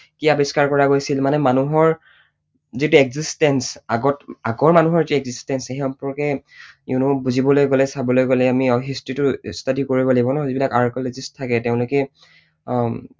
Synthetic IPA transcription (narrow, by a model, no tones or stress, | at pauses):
kiabiskaɹkɔɹaɡojsilmanɛmanuɦɔɹ | zitueɡzistɛnsaɡɔtaɡɔɹmanuɦɔɹituɛɡzistɛnseɦiɔmpɔɹkɛinubuzibɔlojɡolɛsabɔlojɡolɛamiɔɦistɹitʊstadikoɹibɔlibɔnazibilakaɹkɔlɔzistʰːakɛtɛʊ̃lʊkɛ